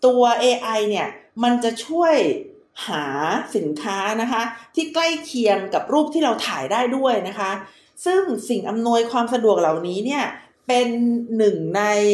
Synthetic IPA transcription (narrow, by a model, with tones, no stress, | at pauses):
t̪u˧ɐʔeː˧ʔa˧jni˥˩ɐma˧nt͡ɕa˨˩ʔt͡ɕʰu˥˩əj | haː˩˦si˨˩˦nkʰaː˦˥na˦˥kʰa˦˥t̪ʰiː˥˩kla˥˩jkʰi˧əmka˨˩p̚ɾuː˥˩p̪̚ʰiː˥˩ɾa˧wt̪ʰaː˩˦jdaː˥˩jdu˥˩əjna˦˥kʰa˦˥ | sɯ˥˩ŋsi˨˩ŋʔa˧mnu˧əjkʰwaː˧msa˧du˨˩ək̚la˨˩wniː˦˥ni˥˩ɐ | pe˧nːɯ˨˩ŋna˧j